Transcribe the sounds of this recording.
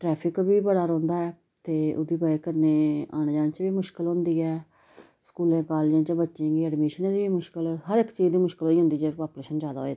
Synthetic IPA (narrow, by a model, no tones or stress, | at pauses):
ʈɾɛːpʰɪkbiːbəɽaːɾõːnd̪aːɛː | t̪eːʊ̰d̪iːbaekəɾneːaːñːd͡ʒãːnt͡ʃbiːmʊʃkəlɦʊ̃nd̪iːɛː | skuːlẽːkaːleːd͡ʒẽːt͡ʃəbətːʃẽːɡiːɛːɖmiːʃənẽːd̪ibiːmʊʃkəlhəɾɪkːt͡ʃiːd͡ʒd̪iːmʊʃkəloːiːɦʊ̃nd̪iːd͡ʒeːpaːpleːʃənd͡ʒjaːd̪aːɦoːeː